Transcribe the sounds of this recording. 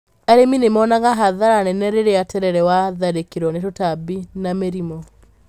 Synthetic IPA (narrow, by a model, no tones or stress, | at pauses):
aɾeminemɔːnaɣaɦaðaɾanɛnɛɾeɾeatɛɾɛɾɛwaðaɾekeɾwɔnetotabinameɾimɔ